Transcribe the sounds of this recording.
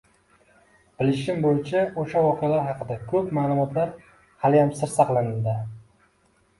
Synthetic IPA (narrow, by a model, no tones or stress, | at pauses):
b̥ɪlɪʃɪmbojt͡ʃʰaoʃavɒqʰɨjalaɾɦɑqʰɨd̪akʰɵpmaːlˠʊmɒt̪laɾ | halɪjamsɪɾsɑqlˠanɪld̪ɪ